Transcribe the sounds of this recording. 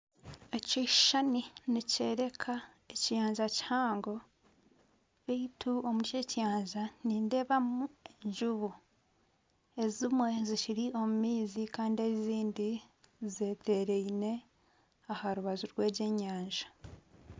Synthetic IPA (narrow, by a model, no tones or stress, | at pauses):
eci̥ʃaninice̞ːɾe̞kʰa | ecijaːɲʒaci̥haːŋɡo̞ | βeitʰuomucecjaːɲʒaniːnde̞βamueɲʒuβu | e̞zimwe̞ziciɾiʔo̞mumiːzikaːndieiziːndize̞ːtʰe̞ɾe̞ine̞ | ahaɾuβazuɾwe̞ːɟe̞ːɲaːɲʒḁ